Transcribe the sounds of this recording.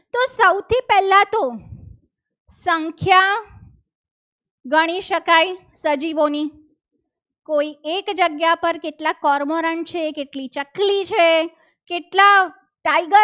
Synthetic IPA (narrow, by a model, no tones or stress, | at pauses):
t̪osəwt̪ipɛlãt̪o | səŋkʰja | ɡəɽ̃iʃəkaj | səd͡ʒiʋoni | koiekd͡ʒəɡjapəɾkeʈlakɔɾmoɾəɳʈt͡ʃʰekeʈlit͡ʃəklit͡ʃʰe | keʈla | ʈaiɡə